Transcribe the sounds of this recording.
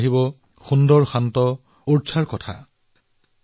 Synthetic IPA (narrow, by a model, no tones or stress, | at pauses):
ɦibɔ | xundɔɹxantɔ | uɹt͡ʃʰaɹkɔtʰa̰